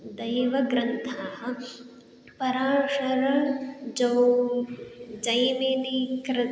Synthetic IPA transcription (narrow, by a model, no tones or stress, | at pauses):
d̪ɐjʋɐɡɾɐnt̪ʰaːɦɐ̆ | pɐɾaːʂɐɾɐɳd͡ʒɐw | d͡ʒɐjmeːnikɾɐ